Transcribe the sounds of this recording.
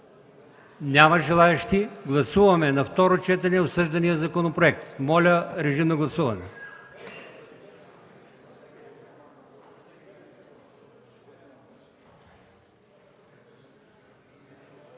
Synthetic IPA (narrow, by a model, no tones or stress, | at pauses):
nʲamɐʒɛlˠaɛʃt̪iɡlˠɐsuvɐmɛnɐft̪ɔɾot͡ʃɛt̪ɛnɛot̪sɤʒd̪ɐnijəzɐkonopɾoɛk̚t̪mɔlʲəɾɛʒimnɐɡlˠɐsuvɐnɛ